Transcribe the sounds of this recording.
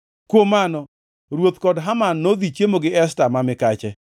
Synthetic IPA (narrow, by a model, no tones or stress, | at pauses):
kwomanɔ | ɾwot̪kɔdɦamanːod̪it͡ʃjemoɡɪɛstamamɪkat͡ʃɛ